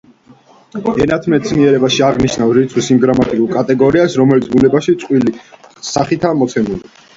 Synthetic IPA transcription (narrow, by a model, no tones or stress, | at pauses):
ɛnat̪ʰmɛt̪sʰniɛɾɛbaʃiaʁniʃnavɾit̪sʰχwisimɡɾamat̪ʼikʼuɾkʼat̪ʼɛɡɔɾiasɾɔmɛlit̪sʰbunɛbaʃit̪sʼqʼwilisaχit̪ʰamɔt̪sʰɛnuli